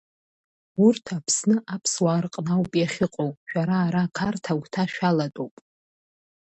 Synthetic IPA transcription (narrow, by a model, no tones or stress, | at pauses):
urtʰapʰsnɨʔapʰswarqʼnawpʼijaχʲɪqʼowʼʃᶣaɾaːɾakʰartʰaɡʷtʰaʃᶣalatʼowpʼ